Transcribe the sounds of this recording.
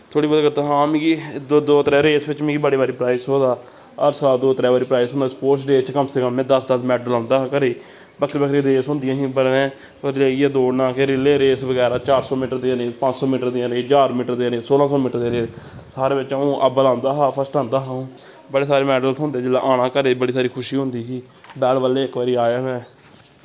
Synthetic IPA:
t̪ʰoːɽiːbaːd̪kəɾt̪aːɦãːmĩːɡid̪od̪oːt̪ɾɛːɾeːsʋɪt͡ʃmĩːɡiːbaːɽeːbaːɾiːpɾaːisɦoːd̪aː | əɾsaːld̪oːt̪ɾɛːaːɾiːpɾaːɪsɦõnd̪aspoːsɖeːt͡ʃkəmsekəmːɛ̃ːd̪əsd̪əsmɛːɖəlãːnd̪aːkəɾiː | bəkʰɾiːbəkʰɾeːd̪eːsʊ̃nd̪ɪjãːɦĩːbəẽː | pəd͡ʒeːiːɛːd̪oːɽnãːkeɾɪleːɾeːsʋəɡɛːɾaːt͡ʃaːɾsɔːmɪːʈəɾd̪ẽɾeːspə̃t͡ʃsɔːmɪʈəɾd̪ɪãːɾeːd͡ʒaːɾmɪːʈəɾd̪eːaɾeːsoːlãːsɔːmiːʈəɾd̪ẽːɾeːesaːɾeːbɪt͡ʃaũːʔəbəlãːnd̪aːɦaːpʰəsʈãːnd̪aːɦãː | bəɽeːsaːɾeːmɛːɖəlsɦʊ̃nd̪eːd͡ʒɪlãːʔaːnãːkəɾeːbəɽiːsaːɾiːkʰʊʃiːɦʊ̃nd̪iːɦĩː | bɛːɽʋəlːeːɪkʋaːɾiːaːjaːmɛ̃ː

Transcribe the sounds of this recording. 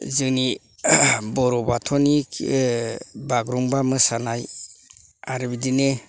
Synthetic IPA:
zɯŋni | bɔɾɔbatʰɔni | baɡɾuŋbamɯsanaj | aɾibidine

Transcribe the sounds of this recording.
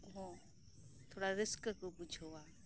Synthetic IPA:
ɦõ | t̪ʰoːɽaɾɪskəkopʊd͡ʒʰoaː

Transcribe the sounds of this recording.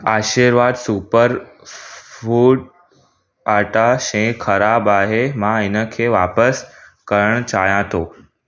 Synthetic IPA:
aːʃiːɾʋaːd̪supəɾ | fuːɖ | aːɾʈaʃẽxɐɾaːbaːɦemãɪnəkʰeːʋaːpəskəɾəɽ̃t͡ɕa̰ːɦjãt̪ʰoː

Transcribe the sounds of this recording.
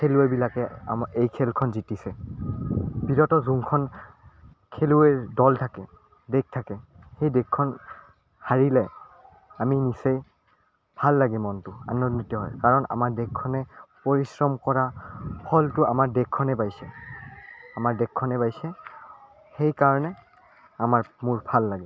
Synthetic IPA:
kʰeluɛbilakɛaejkʰɛlkʰɔnzitisɛ | biɹɔtɔzuŋkʰɔn | kʰeluedɔltʰakɛ | dek̚tʰakɛ | xejdekʰːɔn | haɹilɛ | aminisej | bʱalːaɡɛmɔntʊa̰nːonitɔɦɔjkaɹɔna̰maɹdekʰːɔnɛpoɹisɹɔmkɔɹapʰɔltʊa̰maɹdekʰːɔnɛbajsɛ | amaɹdɛkʰːɔnɛbajsɛ | xejkaɹɔnɛ | amaɹmuɹbʱalːaɡɛ

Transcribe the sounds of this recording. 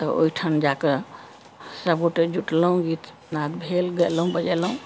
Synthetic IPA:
t̪ɔo̰iʈʰənd͡ʒakəɾ | səbɡoʈed͡ʒuʈlɦũɡit̪ | nad̪bʱelɡelɦũbəd͡ʒelɦũ

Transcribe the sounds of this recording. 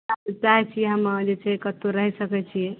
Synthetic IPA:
at͡ʃaɦɛt͡ʃʰieɦəmd͡ʒet͡ʃʰeekət̪oɾəɦisəkɛt͡ʃʰie

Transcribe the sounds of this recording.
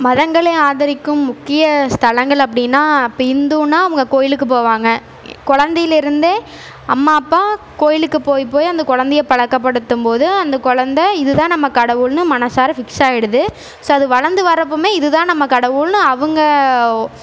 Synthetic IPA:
mɐðɐŋɡɐɭeːaːðɐɾɪkːɯmːʊkːɪjɐst̪ɐlɐŋɡɐɭɐp̬ːɐɽɪnːaːpːɪnd̪uːnaːɐʋɯŋɡɐkoːjɪlɯkːɯpoːʋaːŋɡɐ | kʊɻɐnd̪ɛjɪlɪɾɯnd̪e | ɐmːaːpːaː | koːjɪlɯkːɯpoːjpːoːjɐnd̪ɐkʊɻɐnd̪ɐjɐpɐɻɐkːɐpːɐɽɯt̪ːɯmpoːðɯɐnd̪ɐkʊɻɐnd̪ɐɪðɯt̪ãːnɐmːɐkɐɽɐʋɯlnɯmɐnɐsaːɾɐfɪksaːɪɽɯðɯ | soːɐðɯʋɐɻɐnd̪ɯʋɐɾɐpːomeːɪðɯt̪ãːnɐmːɐkɐɽɐʋɯlnɯɐʋɯŋɡɐ

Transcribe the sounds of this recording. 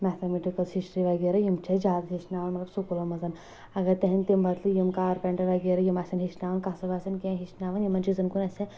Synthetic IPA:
mɛt̪ʰɐmiʈikɐlshisʈɾiʋɐɡeɾɐjimt͡ʃʰɐd͡ʒaːd̪ɐt̪ɦiʃnaːʋɐnmɐt̪lɐbsukulɐmɐzɐn | ɐɡɐɾt̪eɦinʲt̪imbɐt̪ʰlijimkaːɾpeɳʈɐɾʋɐɡeɾɐjimaːsʲɐnɦisnaːʋɐnkasɐbaːsɐnkẽɦiʃnaːʋɐnjimɐnt͡ʃizɐnkunɐsʲe

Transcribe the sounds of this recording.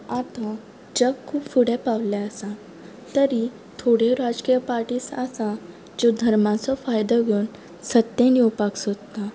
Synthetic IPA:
at̪ã | d͡ʑəɡkʰːuːbfuɽɛpawlaəsa | t̪əɾi | t̪ʰoɽeɾad͡zkijəpaɾʈiːsasa | d͡ʑod̪ʱəɾmãt͡sɔfajd̪ɔɡuːn | sət̪jẽnjowpaksod̪t̪a

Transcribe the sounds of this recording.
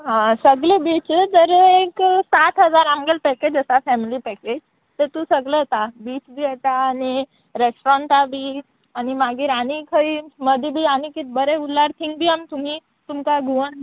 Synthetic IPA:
ɦãsəɡlebit͡ɕd͡zəɾeksat̪ɦəd͡zaɾamɡəlpɛked͡ʑəsafɛmilipɛked͡ʑ | t̪əɾt̪usəɡlət̪abiːt͡ɕbʱiːət̪aːni | ɾesʈɾɔ̃ɳʈabʱiː | animaɡiːɾañikʰəiːməd̪ʱbʱiːanikit̪̚bəɾeulːaɾt̪ʰĩŋkbʱiːamt̪um̤iː | t̪umkaɡʱuʋəɳ

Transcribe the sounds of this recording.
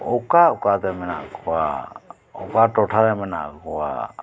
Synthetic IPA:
ɔkaɔkat̪ɛmɛna̰ʔkʰɔwa | ɔ̰kaʈɔʈʰat̪ɛmɛna̰ʔkʰɔwa̰

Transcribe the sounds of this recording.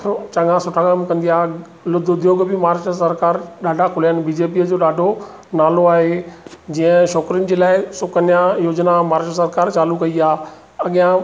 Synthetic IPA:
t͡ɕɐ̃ŋãsʊʈʰakɐmkɐ̃nd̪ijaː | lʊd̪ʱʊd̪ʱjoːɡbɪmaːɾʃəsɐɾkaːɾɗaːɖʱakʰʊlaənɪ̆biːd͡ʑeːp̬iːəd͡ʑoːɗaːɖʱo | naːloaːɦed͡ʑĩːə̃ʃɔːkɾiʊ̃nd͡ʑeːlaːɪsʊkənijajoːd͡ʑnamaːɾʃɾəsɐɾkaːɾt͡ɕaːlukɐiaː | ɐɠijã

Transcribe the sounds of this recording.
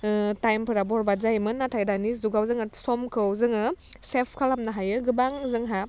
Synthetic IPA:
tajmpʰɯɾabɔɾbazajmɯnːatʰajdanizuɡawzɯŋɯsɔmkʰɯwzɯŋɯsepʰkʰalamnaɦajɯɡɯbaŋzɯŋɦa

